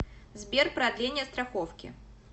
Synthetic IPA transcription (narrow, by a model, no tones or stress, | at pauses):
zʲbʲerpɾad̪lʲenʲɪjɐst̪ɾaxɔwkʲḭ